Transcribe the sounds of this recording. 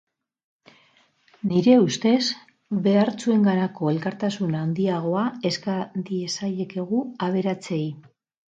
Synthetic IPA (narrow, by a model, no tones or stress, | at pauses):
niɾe̞ust̪e̞s | βe̞aɾt͡sue̞ŋɡaɾako̞e̞lkaɾt̪asunaːnd̪iaɣ̞o̞ae̞skad̪ie̞sajeke̞ɣ̞uaβ̞e̞ɾat͡se̞j